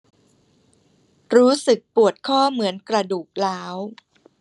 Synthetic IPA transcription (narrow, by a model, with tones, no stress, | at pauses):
ɾuː˦˥sɯ˨˩k̚pu˨˩ət̪̚kʰɔː˥˩mɯ˩˦ənkɾa˧duː˨˩k̚laː˦˥w